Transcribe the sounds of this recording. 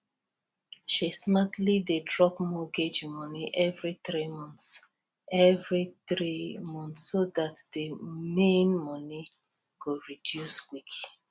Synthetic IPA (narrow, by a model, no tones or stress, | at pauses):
ʃismatlidedɹɔpmɔɡed͡ʒmɔniʔɛvɹitɹimɔ̃ns | ɛvɹitɹimɔ̃ntsːodatdemẽnmɔni | ɡ̥oɹidjuswik